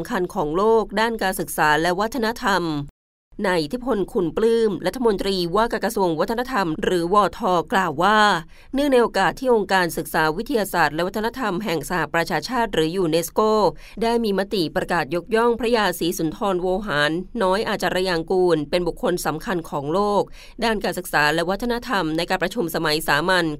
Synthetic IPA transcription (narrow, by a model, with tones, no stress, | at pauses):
mkʰa˧nkʰɔː˩˦ŋloː˥˩k̚daː˥˩nkaː˧nsɯ˨˩k̚saː˩˦lɛ˦˥wa˥t̪ʰːa˧na˦˥t̪ʰa˧m | naː˧jʔi˧˩t̪ʰi˦˥pʰo˧nkʰu˧˩nplɯː˥˩mɾa˦t̪ʰːa˧mo˧nt̪ɾiː˧waː˥˩ka˧kɾa˧su˧əŋwa˦˥t̪ʰːna˥t̪ʰa˧mɾɯː˩˦wɔː˧t̪ʰɔː˧klaː˨˩wːaː˥˩ | nɯ˥˩ŋna˧jʔo˧kaː˨˩t̪ʰːiː˥˩ʔo˧ŋkaː˧nsɯ˨˩k̚saː˩˦wi˦˥t̪ʰːi˧jaː˧saː˨˩t̪̚lɛ˦˥wa˦t̪ʰːna˥t̪ʰa˧mɦɛ˨˩ŋsa˧ha˨˩pɾa˧t͡ɕʰaː˧t͡ɕʰaː˥˩t̪̚ɾɯː˩˦juː˧ne˦˥skoː˥˩ | daː˥˩jmiː˧ma˦˥t̪i˨˩pɾa˧kaː˨˩t̪̚jo˦˥k̚jɔ˥˩ŋpʰɾa˦˥jaː˧siː˩˦su˩˦nt̪ʰɔː˧nwoː˧ɦaː˩˦nːɔː˦˥jʔaː˨˩t̪̚t͡ɕa˨˩ɾa˧ja˧ŋkuː˧npe˧nbu˨˩kʰːo˧nsa˩˦mkʰa˧nkʰɔː˩˦ŋloː˥˩k̚ | daː˥˩nkaː˧nsɯ˨˩k̚saː˩˦lɛ˦˥wa˦˥t̪ʰːa˧na˦˥t̪ʰa˧mna˧jkaː˧npɾa˧t͡ɕʰu˧msa˧ma˩˦jsaː˩˦ma˧n